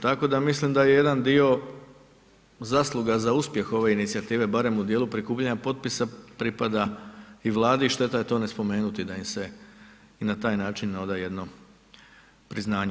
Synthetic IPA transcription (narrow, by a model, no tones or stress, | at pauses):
t̪ako̞d̪amislimd̪aje̞je̞d̪and̪io̞ | zaːslˠuɡazauspje̞xo̞ʋe̞init̪siat̪iːʋe̞baɾe̞mud̪jeːlˠupɾikuːpʎaɲapo̞t̪̚pisapɾipad̪aiʋlˠaːd̪iʃt̪e̞t̪aje̞t̪o̞ːne̞spo̞me̞ːnut̪id̪aimse | inat̪aːjnaːt͡ʃinːo̞d̪aje̞d̪no̞ | pɾiznaːɲe